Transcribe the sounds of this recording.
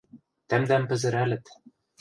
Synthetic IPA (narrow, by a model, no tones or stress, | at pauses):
t̪æmd̪æmpɘ̆zɘ̆ɾælɘ̆t̪